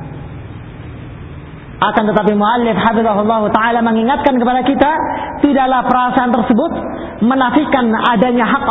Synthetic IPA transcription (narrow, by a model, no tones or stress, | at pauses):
ʔakant̪ət̪ap̬imuʔalːɪfhafɪðɑɦulˠːɑɦut̪aʕalaməŋiŋat̪̚kankəpadakit̪at̪idaʔlahpəɾasaːnt̪ərsəbʊt̪̚ | mənafikanadaɲaɦak